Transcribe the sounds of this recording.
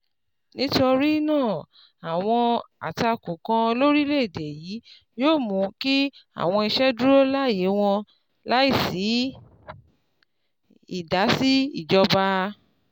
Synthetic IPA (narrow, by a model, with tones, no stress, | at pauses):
nĩ˨˦to˧ɾi˦nãː˦˨ | a˨w̃ɔ̃˧a̰˨ta˧kũ˨kã˧lo˦ɾi˦le˦i˨de˨jiː˨˦ | joː˦˨mũ˨˦ki˦a̰˨w̃ɔ̃˧i˧ʃɛ˦du˦ɾo˦la˦˨je˨˦w̃ɔ̃˧ | la˦i˦˨si˨˦ | i˦˨da˨˦si˦i˦˨d͡ʒɔ˧ba˧